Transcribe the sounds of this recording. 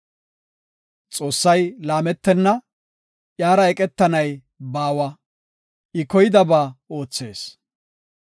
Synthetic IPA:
t͡sʼo̞ːsːɐjlaːmɛt̪ːɛnːɐ | ʔjaːɾɐɛkʼɛt̪ːɐnɐj | baːwɐ | ʔɪkɔjɪd̪ɐbaːo̞ːt͡sːe̞ːs

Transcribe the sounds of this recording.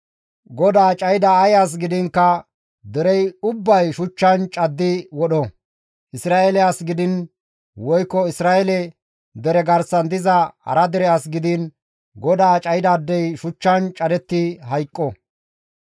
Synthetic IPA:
ɡɔd̪aːt͡ʃʼɐjd̪aːjas̬ɡɪd̪ɪŋkːɐ | d̪ɛɾɛjʊbːɐjʃʊt͡ʃːɐnt͡ʃʼɐd̪ːɪwɔɗɔ | ʔɪsɾaːʔɛlɛasɡɪd̪ɪn | wɔjkːɔɪsɾaːɛlɛ | d̪ɛɾɛɡɐɾsɐnd̪ɪzɐhɐ̰ɾɐd̪ɛɾɛasɡɪd̪ɪn | ɡɔd̪aːt͡ʃʼɐjɪd̪aːd̪ːɛjʃʊt͡ʃːɐnt͡ʃʼɐd̪ɛt̪ːɪɦɐjkʼːɔ

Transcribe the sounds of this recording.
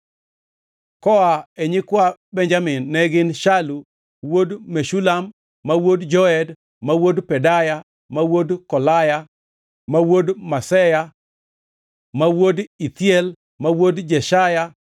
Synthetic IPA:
kɔaɛɲɪkwabɛɲd͡ʒamɪnːɛɡɪnʃalu | wodmeʃulamː | awodd͡ʒɔɛd | mawodpɛdaja | mawodkɔlaja | mawodmasɛja | mawodit̪jɛl | mawodd͡ʒɛʃaja

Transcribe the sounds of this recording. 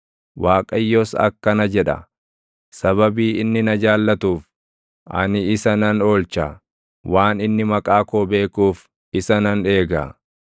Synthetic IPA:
waːkʼɐjːosɐ̰kːɐnɐd͡ʒɛᶑɐ̰ | sɐβɐbiːɪnːɪnɐd͡ʒaːlːɐt̪uːf | ʔɐ̰nɪɪsɐnɐno̞ːlt͡ʃa | waːnɪnːɪmɐkʼaːkoːbe̞ːkuːf | ɪsɐnɐne̞ːɡa̰ː

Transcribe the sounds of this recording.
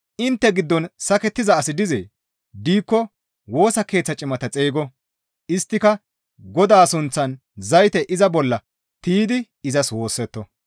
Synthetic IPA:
ʔɪnt̪ːɛɡɪd̪ːɔnsɐkɛt̪ːɪzɐːsɪd̪ɪzḛː | d̪iːkːɔ | wo̞ːsɐke̞ːt͡sːɐt͡ʃʼɪmɐt̪ɐt͡sʼeːɡɔ | ʔɪst̪ːɪkɐ | ɡɔd̪aːsʊnt͡sːɐn | zɐjt̪ɛʔɪzɐbɔlːɐ | t̪iːd̪ɪ | ɪzɐswo̞ːsːɛt̪ːɔ

